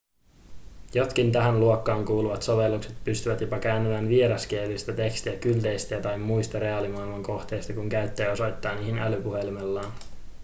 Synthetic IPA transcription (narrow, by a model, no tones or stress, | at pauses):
jo̞t̪kint̪æɦænluokːɑːŋkuːluʋɑt̪so̞ʋe̞lːukset̪̚pyst̪yʋæt̪jo̞pɑkæːnːeʋænʋieɾɑsk̟ielyst̪æt̪e̞kst̪iækylt̪e̞jst̪iæt̪ɑjmːujst̪ɑɾe̞ɑlimɑijlmɑŋko̞xt̪e̞jst̪ɑkuŋkæɥt̪ːeːo̞so̞jt̪ːɑːniɦinʔælypuhe̞limelːɑːn